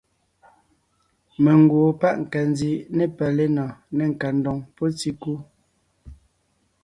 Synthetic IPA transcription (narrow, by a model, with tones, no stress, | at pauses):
me˨ŋ˨ɡwo˨pa˦ʔŋ̩˨ka˨n˦di˨˦ne˨pɛ˨le˦nɔ˨ne˦˨ŋ̩˨ka˨n˦dɔ˨ŋpɔ˦t͡si˦ku˦